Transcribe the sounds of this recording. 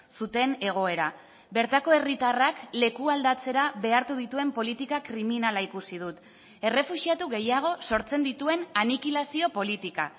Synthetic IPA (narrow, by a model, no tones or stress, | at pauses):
sut̪e̞ne̞ɣ̞o̞e̞ɾa | be̞ɾt̪ako̞e̞rit̪arakle̞kuald̪at͡se̞ɾaβe̞aɾt̪uðit̪ue̞mpo̞lit̪ikakɾiminalaikusið̞ut̪ | e̞re̞fuʃiat̪uɣe̞jaɣ̞o̞so̞ɾt͡se̞nd̪it̪ue̞nanikilasio̞po̞lit̪ika̰